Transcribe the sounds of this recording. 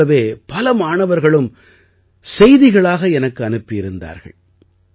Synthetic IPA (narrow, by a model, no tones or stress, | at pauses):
ɐʋeːpɐlɐmaːɳɐʋɐɾɣɐɭɯm | sɛjðɪɣɐɭaːɣɐɛnɐkːɯɐnɯpːɪɪɾɯnd̪a̰ːɾɣɐ̰ɭ